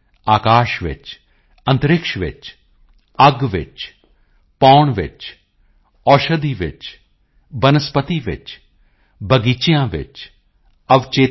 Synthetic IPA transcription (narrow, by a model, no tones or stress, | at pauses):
aːkaːʃʋɪ̰t͡ʃ | ɐ̃nt̪əɾɪkʃʋɪ̰t͡ʃ | ɐɡʋɪ̰t͡ʃ | pɔːɳʋɪ̰t͡ʃ | ɔːʃəd̪iʋɪ̰t͡ʃ | bɐnəspət̪iʋɪ̰t͡ʃ | bɐɡiːt͡ʃijãʋɪ̰t͡ʃ | ɐʋt͡ʃeː